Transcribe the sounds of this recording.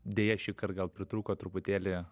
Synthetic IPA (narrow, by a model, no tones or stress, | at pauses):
d̪ʲeːjɛʃʲɪkɐrɡɐlˠpʲɾʲɪt̪ɾuːkoːt̪ɾʊpʊt̪ʲeːlʲɪ